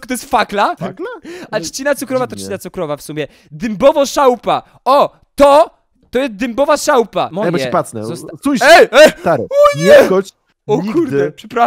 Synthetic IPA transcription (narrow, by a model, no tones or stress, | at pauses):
ɔt̪ɔjɛst̪faklaaaat͡ʂt͡ɕinat̪sukɾɔvat̪ɔt͡ʃt͡ɕinat̪sukɾɔvafsumʲjɛ | d̪ɘmbɔvɔʂawpa | ɔ | t̪ɔ | t̪ɔjɛst̪̚d̪ɨmbɔvaʂawpamɔabjbɛɛpat̪snɛ̰zɔst̪ujɛjɛt̪aɾɛ̰ɔɲɛkɔ | ɔɲkuɾd̪ɛpʂɛpɾa